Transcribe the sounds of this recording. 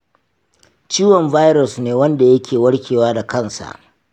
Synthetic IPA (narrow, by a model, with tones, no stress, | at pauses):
t͡ʃiː˦wɔ˨mvaː˦jɾʊ˨sneː˨wɐ˦nda˨jɐ˦kʲeː˨wɐ˦ɽkʲeː˨waː˦da˨kɐ˦˨nsa̰˨ʔ